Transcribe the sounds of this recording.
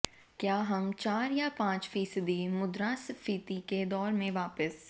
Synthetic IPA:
kjaːɦɐmt͡ʃaːɾjapãːt͡ʃfiːsəd̪imʊd̪ɾaːsfiːt̪iked̪ɔːɾmẽʋaːpəs

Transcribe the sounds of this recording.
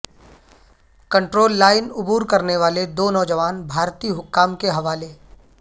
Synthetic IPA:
kɐ̃ɳʈɾoːlːaːɪnʊbuːɾkɐɾneʋaːled̪oːnɔːd͡ʒəʋaːnbʱaːɾt̪iːɦʊkːaːmkeɦɐʋaːle

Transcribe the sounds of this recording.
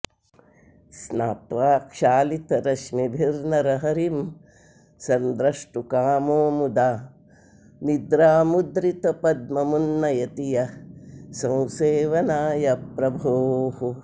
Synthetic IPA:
snaːt̪ʋaːkʃaːlit̪ɐɾɐʃmibʱiɾnɐɾɐɦɐɾim | sɐnd̪ɾɐʂʈukaːmoːmud̪aː | nid̪ɾaːmud̪ɾit̪ɐpɐd̪̚mɐmunːɐjɐt̪ijɐ | sɐ̃w̃seːʋɐnaːjɐpɾɐbʱoːhu

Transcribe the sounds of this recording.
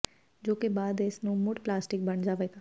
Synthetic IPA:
d͡ʒoːkebaːd̪ɪsnũːmʊʈplaːsʈɪk̚bəɳd͡ʒaːʋeːɡaː

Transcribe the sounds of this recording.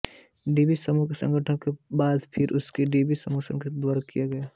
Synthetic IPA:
ɖiːbisɐmuksɐ̰̃ŋɡʱəʈʰənkebaːd̪pʰɪɾʔʊskeɖiːbisɐmoːsənked̪ʋaːɾakijaɡɐjaː

